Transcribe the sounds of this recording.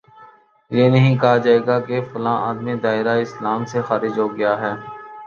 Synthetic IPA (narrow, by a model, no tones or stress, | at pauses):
jeːnɐɦĩkɐɦad͡ʒaːeːɡakefʊlãːʔaːd̪mid̪aːɪɾaɪslaːmsexaːɾɪd͡ʒɦoːɡɐjaɦɛː